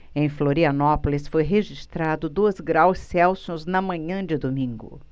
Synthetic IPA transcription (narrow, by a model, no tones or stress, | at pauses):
ẽj̃floɾiɐnɔpolisfojɦeʒist̪ɾad̪ʊd̪uɐzɡɾawsɛwsõznɐmɐ̃ɲɐ̃d͡ʒɪd̪omĩŋɡʊ̰